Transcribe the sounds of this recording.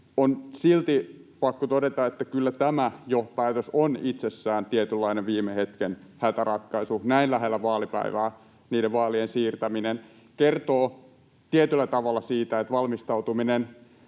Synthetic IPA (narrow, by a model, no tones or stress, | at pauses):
onsilt̪ipɑkːot̪odet̪ɑet̪ːækylːæt̪æmæjopæːt̪øsonit̪sesːæːnt̪iet̪ylːɑineʋʋiːmehet̪kenhæt̪ærɑt̪kɑisunæinlæɦelːæʋɑːlipæ̰iʋæː | niːdeʋʋɑːliensiːrt̪æminen | kert̪oː | t̪iet̪ylːæt̪ɑʋɑlːɑsiːt̪æet̪ʋɑlmist̪ɑut̪uminen